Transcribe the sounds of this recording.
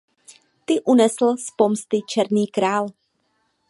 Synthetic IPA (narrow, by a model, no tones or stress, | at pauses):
t̪ɪʔunɛsl̩spomst̪ɪt͡ʃɛɾniːkɾaːl